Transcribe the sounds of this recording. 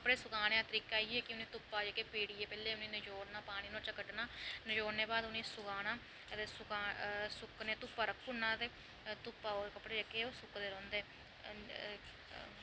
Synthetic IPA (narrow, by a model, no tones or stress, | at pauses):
kəpɽeːsʊkaːɽẽːãːt̪əɾiːkaːiːɛːkɪʊnĩːt̪ʊpːaːd͡ʒəkeːpeːɽiːɛːpɛːleːʊnĩːnəd͡ʒoːɽnaːpaːɽ̃iːnõːt͡ʃəkəʈnaːnəd͡ʒoːɽneːbaːd̪ʊnẽːsʊkaːnaː | t̪eːsʊkaːsʊknẽːt̪ʊpːaːɾəkʰːʊnːãːt̪eː | t̪ʊpːaːoːkəpːɽeːd͡ʒəkeoːsʊkd̪eːɾɔ̃ːnd̪eː